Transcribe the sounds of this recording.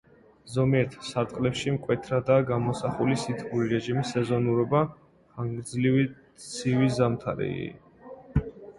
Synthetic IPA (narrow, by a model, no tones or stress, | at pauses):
zɔmiɛɾt̪ʰsat̪ʼqʼlɛpʃimkʼwɛt̪ʰɾad̪aɡamɔsaχulisit̪ʰɡuɾiɾɛʒimisɛzɔnuɾɔba | χaŋɡd̪zlivi | sʰivizamt̪ʰaɾɛ̰ḭ